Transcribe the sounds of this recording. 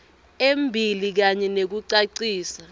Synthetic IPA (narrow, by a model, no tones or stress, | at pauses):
embʱilik̬aɲɛnek̬uǀaǀiːsa